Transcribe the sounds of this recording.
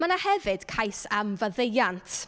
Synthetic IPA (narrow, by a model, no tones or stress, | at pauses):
manahɛvɨd̥kʰajsamvəðejantʰ